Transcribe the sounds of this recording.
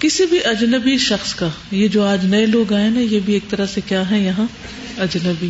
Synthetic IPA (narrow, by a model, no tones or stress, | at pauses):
kɪsibʱiʔɐd͡ʒnəbiʃɐxskaːjed͡ʒoːaːd͡ʒnɐeloːɡaːenajebʱieːk̚t̪ɐɾasekjaːɦɛ̃jɐɦã | ɐd͡ʒnəbi